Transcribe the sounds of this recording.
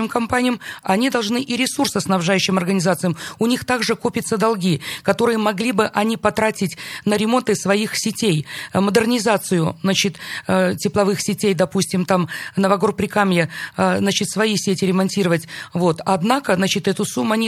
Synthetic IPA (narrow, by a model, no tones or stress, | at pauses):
ɪmkɐmpanʲɪjəmɐnʲid̪ɐlˠʐnɨʔɪɾʲɪsursɨɐsnɐbʐajʉɕːɪmɐrɡənʲɪzat̪sɨjəmʊnʲixt̪aɡʐɨko̞pʲɪt̪səd̪ɐlˠɡʲikɐt̪o̞ɾɨjəmɐɡlʲibɨʔɐnʲipɐt̪ɾatʲɪtʲnəɾʲɪmo̞nt̪ɨsvɐixsʲɪtʲejməd̪ɨrnʲɪzat̪sɨjʊznat͡ɕɪt̪tʲɪplˠɐvɨxsʲɪtʲejd̪ɐpusʲtʲɪmt̪amnəvɐɡo̞rpɾʲɪkamjəznat͡ɕɪt̪svɐjisʲetʲɪɾʲɪmɐnʲtʲiɾəvətʲvo̞t̪ɐd̪nakəznat͡ɕɪt̪ɛt̪ʊsumːʊɐnʲi